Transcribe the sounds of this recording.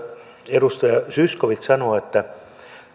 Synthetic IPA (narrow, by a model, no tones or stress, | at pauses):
eɾust̪ɑjɑsyskoʋit̪sɑnoːet̪ːæ